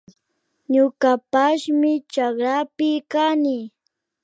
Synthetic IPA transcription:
ɲʊkapaʃmɪt͡ʃakɾapɪkanɪ

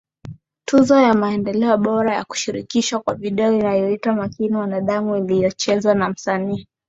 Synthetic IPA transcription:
tʰuzɔjamaɛndɛlɛɔɓɔɾaja̰ku̥ʃiɾikiʃwakwaviɗɛɔinajɔitwamakiniwanaɗamuilijɔt͡ʃɛzwanam̩saniː

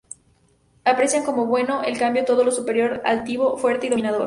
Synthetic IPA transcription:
apɾe̞sjaŋko̞mo̞βwe̞no̞ʔelkambjo̞t̪o̞ð̞o̞lo̞supe̞ɾjo̞ɾa̰lt̪iβo̞fwe̞ɾt̪eiɾinaðo̞ɾ

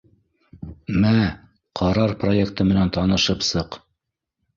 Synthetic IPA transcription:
mæ | qʰɑɾɑɾpro̞jekt̪ɤmɘ̆nænt̪ɑnɤ̆ʃɤpsɤq

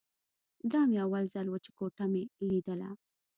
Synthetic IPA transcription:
d̪ɑmeawalzalwət͡ʃe̥koʈameɡid̪əla̰

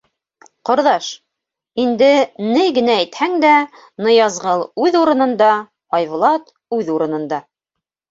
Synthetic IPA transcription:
qŏɾðɑʃ | ind̪ɘnɘjɡɘ̆næːjt̪hæŋd̪æ | nɤ̆jɑzʁɤlˠʉðuɾɤ̆nɤ̆nd̪ɑ | ɑjvlˠɑt̪ | ʉðuɾɤ̆nɤ̆nd̪ɑ

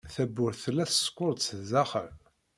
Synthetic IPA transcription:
θæbːʊɾθlːæθsə̥kʷːʊɾˤd̪zæχəɾ

